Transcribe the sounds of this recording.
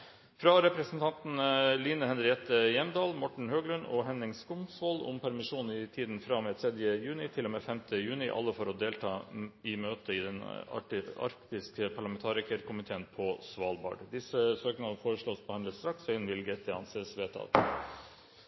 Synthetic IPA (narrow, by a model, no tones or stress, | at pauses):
fɾɑɾɛpɾɛsnt̪ʰɑnt̪nliːnəhɛnɾɪɛt̪əjɛmd̪ɑːlmɔʈɳ̩høːɡlʉnɔ̰ɦɛnɾɪŋskʊmsʋolʊ̰mpʰæɾmɪʂuːn̩ɪt̪ʰiːd̪n̩fɾɑmɛːt̪ʰɾɛd̪jəjʉːnɪt̪ʰɪlːoːmeːfɛmt̪ʰəjʉːnɪʔɑ̰lːəfɔɾɔd̪eːlt̪ʰɑːɪmøːt̪əɪd̪ɛnɑ̰ʈɑ̰ɾkt̪ɪskəpʰɑɭɑmɛnt̪ʰɑːɾɪkəɾkʰʊmɪt̪ʰeːənpʰɔsʋɑːlbɑ̰ːɖd̪ɪsəsøːknɑfoːɾəʂɭoːspʰɔhɛnd̪əst̪ɾɑksɑɪnʋɪlɡət̪̚d̪ɛɑ̰nsesʋeːt̪ʰɑ̰ːt̪